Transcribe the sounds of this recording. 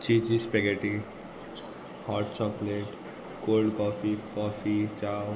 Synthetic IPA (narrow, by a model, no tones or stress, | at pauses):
t͡ʃit͡ʃispeɡeʈi | hɔːɾʈt͡ʃɔkleʈ | koːlɖkɔːfikɔfit͡ʃaw